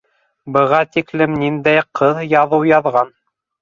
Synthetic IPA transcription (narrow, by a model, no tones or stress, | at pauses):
bɤ̆ʁɑt̪iklɘmnind̪æjqʰɤðjɑðɤwjɑðʁɑn